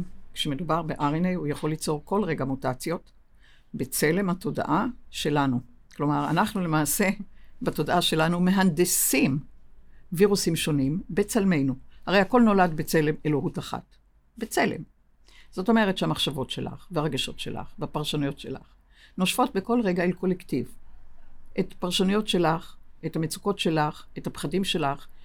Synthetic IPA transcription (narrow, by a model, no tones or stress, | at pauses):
kʃeme̞dubaʁbeʔaʁinejujaχo̞lːit͡so̞ʁko̞lʁe̞ɡamutat͡sjo̞t | be̞t͡se̞le̞mhatʰo̞da̰ʔaʃe̞lanu | klo̞maʁa̰naχnule̞maːse̞bato̞daʔaʃe̞lanume̞ɦandesim | viʁusimʃo̞nimbe̞t͡salme̞jnuhaʁejhako̞lno̞ladbet͡se̞le̞meloɦutaχa̰t | bet͡se̞lḛm | z̥o̞to̞me̞ʁetʃeamaχʃavo̞tʃe̞la̰χveaʁaɡaʃo̞̰tʃe̞̰la̰χveapaʁʃanujo̞tʃe̞̰la̰χ | no̞ʃfo̞t̚be̞ko̞lʁeɡailko̞lektiv | ʔetpaʁʃanujo̞tʃe̞laχetamet͡su̥ko̞tʃe̞laχethapχadimʃe̞laχ